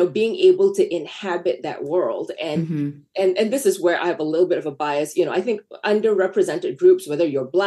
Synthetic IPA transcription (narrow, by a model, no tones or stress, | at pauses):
oʊbiɪ̃ŋeɪbl̩ˠtʰɨʔɪ̃nhæbɨt̪̚ðɨ̰ʔ̚wɜ˞lˠdɨ̃n | ɨ̃nɨ̃nðɪsɨzwə˞ʔa̰ɪɨvəlɪɾl̩ˠbɪɾʌvəbaɪɨsjɨnoʊʔaɪθɪ̃ŋkʌ̃ndə˞ɹɛpɹɨzɛ̃ntɨd̚ɡɹʉpswɛðə˞jə˞blæ